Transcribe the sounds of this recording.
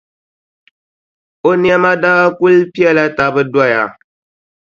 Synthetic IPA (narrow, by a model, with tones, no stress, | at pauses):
o˦n˦ɛ˦ma˦da˦a˦ku˦lpi˦ɛ˦la˦ta˨bɨ˦da˦ja˨